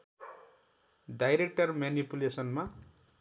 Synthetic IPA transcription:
ɖajɾek̚ʈʌrmjanipulesʌnma

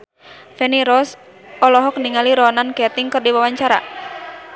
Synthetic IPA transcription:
fɛniɾɔs | ɔlɔɦɔk̚niŋaliɾɔnankɛt̪iŋkɨrdiwawaɲt͡ʃaɾa̰

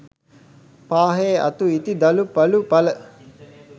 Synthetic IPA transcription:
paːɦeːɐ̰t̪uit̪id̪ɐlupɐlupɐlə

